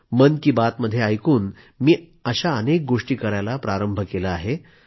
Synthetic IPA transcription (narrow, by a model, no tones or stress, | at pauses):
mənkiːbat̪məd̪ʱːjeajkuːn | miː | əɕaənek̚ɡoʂʈiːkəɾajlapɾaɾəmbʱəkelaaɦe